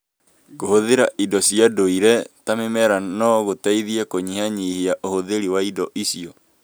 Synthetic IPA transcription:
kohoðeɾaʔidɔsiadoiɾɛtamemɛɾanɔɣotɛiðiɛkoɲihaɲiheaʔohoðeɾiwaidɔʔisiɔ

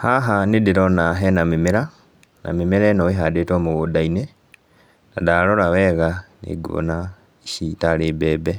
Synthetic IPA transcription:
haɦanidiɾonaɦɛnamimeɾa | nʔa̰mimiɾɛnoweɦadetomuɣudaine | na̰daloɾawɛɣanḛɡuo̰na | iʃitaɾebɛːbɛ

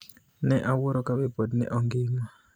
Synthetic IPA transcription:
nɛʔawoɾokabɛpodnɛ̰ʔɔŋɡɪŋa

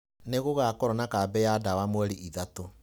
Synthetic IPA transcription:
neɣoɣakɔɾɔnakabɛjadawamwɛɾiʔiðato

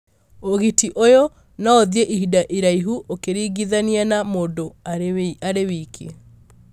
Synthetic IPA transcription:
oɣitiʔojo | naoðieʔihidaʔiɾaiɦuʔokeɾiɡiðanianamoːndoaaɾewikʰe

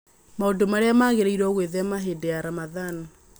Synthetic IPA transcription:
maondomaɾeamaɣeɾeiɾwɔɣweðɛamaɦedeaɾamaðana

